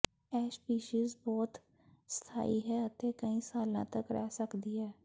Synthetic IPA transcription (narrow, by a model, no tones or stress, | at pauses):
ɛːt͡ʃpiːʃiːzbɔːt̪ | st̪ʰa̰ːiɦɛɐt̪ekɐĩsaːlã̰t̪əkɾɛ̰ɦsəkd̪iɦɛː